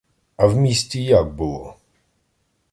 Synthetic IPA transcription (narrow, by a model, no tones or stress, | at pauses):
avmʲesʲt͡ɕɛjaɡ̚bɪwɔ̰